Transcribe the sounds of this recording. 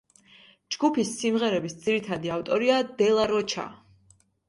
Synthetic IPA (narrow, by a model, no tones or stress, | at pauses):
d͡ʒɡupʰisːimʁɛɾɛbisd̪ziɾit̪ʰad̪iaft̪ʼɔɾiad̪ɛlˠaɾɔt͡ʃʰa̰